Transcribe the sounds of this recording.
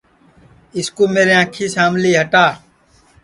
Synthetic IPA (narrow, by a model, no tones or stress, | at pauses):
ɪskoːmeːɾeːãːkʰiːsaːmliːɦəʈaː